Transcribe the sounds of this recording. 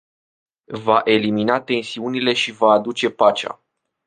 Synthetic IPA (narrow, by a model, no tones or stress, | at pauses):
vaʔe̞liminat̪e̞nsiunile̞ʃivaːd̪ut͡ʃe̞pat͡ʃa̰